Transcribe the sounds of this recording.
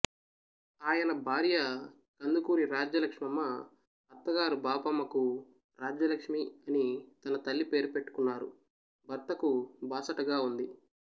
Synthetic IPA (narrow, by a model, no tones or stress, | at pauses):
aːjɐnɐbʱaːɾjɐ | kɐnd̪ukuːɾiɾaːd͡ʒɐlɐkʂmɐmːɐ | ɐɾt̪ːɐɡaːɾubaːpɐmːɐku | ɾaːd͡ʒjɐlɐkʂmiɐnit̪ɐnɐt̪ɐlːipe̞ːɾupe̞ʈːu̥kunːaːɾṵ | bɐɾt̪ɐkubaːsɐʈɐɡaːund̪i